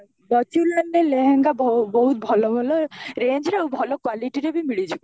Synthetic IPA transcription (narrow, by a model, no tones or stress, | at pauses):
nɔt͡ʃulaneleɦeŋɡabbɔɦut̪̚bʱɔlɔmʱɔlɔɾend͡ʒɾeawbʱɔlɔkwaliʈiɾebimiɭid͡ʒib